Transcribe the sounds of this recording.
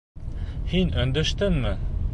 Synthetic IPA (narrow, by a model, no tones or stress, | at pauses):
hinɵ̆nd̪ɵ̆ʃt̪ɘnmɘ